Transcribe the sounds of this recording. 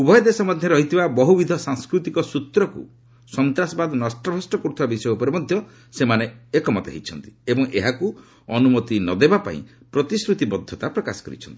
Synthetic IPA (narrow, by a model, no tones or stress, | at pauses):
ubʱɔjɔd̪esɔmɔd̪ʱjɔɾɔɦit̪ʰibabɔɦubid̪ʱɔsaŋskɾut̪ikɔsut̪ɾɔkṵ | sɔnt̪ɾasɔbad̪ɔnɔsʈɔbʱɾɔsʈɔkɔɾut̪ʰibabisɔjɔupɔɾemɔd̪ʱjɔ | semaneekɔmɔt̪ḛɦit͡ʃʰɔnt̪i̥ebɔŋeɦaku | ɔnumɔt̪inɔd̪ebapa̰ḭ̃ | pɾɔt̪isɾut̪ibɔd̪ʱːɔt̪apɾɔkasɔ̥kɔɾḭt͡ʃʰɔnt̪i̥